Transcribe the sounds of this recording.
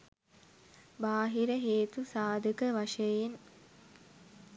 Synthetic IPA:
baːɦiɾəɦeːt̪usaːd̪ʱəkəʋaʂəjen

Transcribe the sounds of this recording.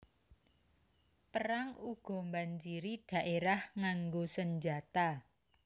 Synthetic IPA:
pəɾaŋuɡ̥ɔ̤mbaɲt͡ʃiɾiɖ̥a̤ʔeɾahŋaŋɡosəɲd͡ʒat̪a

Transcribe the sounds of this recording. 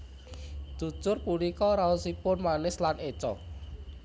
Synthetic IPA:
d̪̥ṳ̥t͡ʃʊrpulikɔɾaosipʊnmanɪslanet͡ʃɔ̰

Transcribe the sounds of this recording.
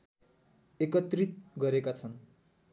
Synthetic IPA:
ekʌt̪rit̪̚ɡʌɾekat͡sʰʌn

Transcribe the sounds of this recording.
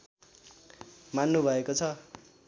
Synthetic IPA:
manːubʱʌekot͡sʰʌ

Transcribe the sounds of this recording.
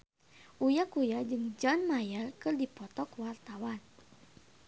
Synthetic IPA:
ʔujakujad͡ʒɨŋd͡ʒɔnmajarkɨrdipɔt̪ɔkwart̪awan

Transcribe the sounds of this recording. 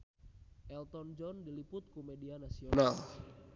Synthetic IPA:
ʔɛlt̪ɔnd͡ʒɔndilipʊt̪̚kumedianasional

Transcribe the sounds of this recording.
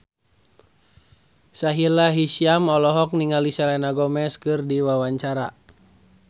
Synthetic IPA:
saɦilaɦisiamɔlɔɦɔk̚niŋalisalɛnaɡɔmɛskɨrdiwawaɲt͡ʃaɾa

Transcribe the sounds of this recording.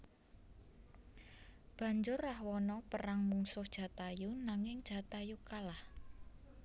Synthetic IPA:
b̥a̤ɲd͡ʒʊrːahwɔnɔpəɾaŋmuŋsʊhd̥ʒ̥ä̤t̪ajunaŋɪŋd̥ʒ̥a̤t̪ajukalah

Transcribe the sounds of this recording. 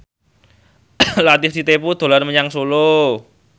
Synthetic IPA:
lat̪isit̪epud̪̥o̤larməɲaŋsolo

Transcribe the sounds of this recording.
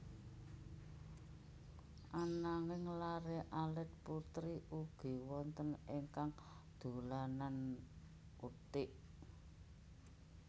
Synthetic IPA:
ʔanaŋɪŋlaɾeʔalɛt̪̚put̪ɾiʔuɡ̥i̤wɔnt̪əneŋkaŋ | d̪̥o̤lanan | ut̪ɪʔ

